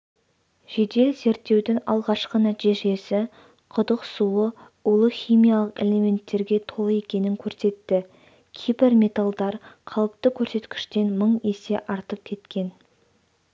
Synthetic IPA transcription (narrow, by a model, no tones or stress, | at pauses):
ʒ̥e̞d̪e̞lze̞ɾt̪ːe̞wd̪ɪŋɑ̰lˠʁɑʃqənæt̪eʒe̞sɪ | qʰʊd̪əqsuə | uolˠəχʲijmijalˠəqḛlʲe̞mʲe̞nt̪ːe̞ɾɡʲe̞t̪ʰo̞lˠəe̞kʲe̞nɪŋkʲʰɵɾse̞t̪ːɪ | kʲʰejbɪɾmʲe̞t̪alˠd̪ɑɾqʰɑlˠəp̚t̪əkʲʰɵɾse̞t̪kʲɪ̥ʃt̪e̞nməɴese̞̰ʔɑɾt̪əp̚kʲʰe̞t̪kʲe̞n